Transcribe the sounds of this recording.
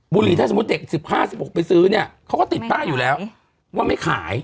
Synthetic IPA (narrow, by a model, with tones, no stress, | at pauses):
buː˧liː˧t̪ʰaː˥˩so˨˦˥t̪̚de˨˩k̚si˨˩p̚haː˥˩si˨˩p̚ho˨˩k̚pa˧jsɯː˦˥ni˥˩ɐkʰa˦˥wkɔː˥˩t̪i˨˩t̪̚p̪aː˥˩juː˨˩lɛː˦˥w | waː˥˩ma˥˩jkʰa̰ː˩˦j